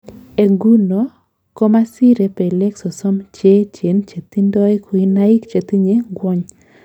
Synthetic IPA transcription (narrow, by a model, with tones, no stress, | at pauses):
e˨ɡu˦no˨ | ko˦ma˦si˦ɾe˨pe˨lɛ˦kso˨sɔ˦mt͡ʃe˦t͡ʃe˨nt͡ʃe˨t̪i˦ndɔ˦ɛ˦kwi˦na˦i˦kt͡ʃe˨t̪i˦ɲe˦ɡwɔ˦ɲ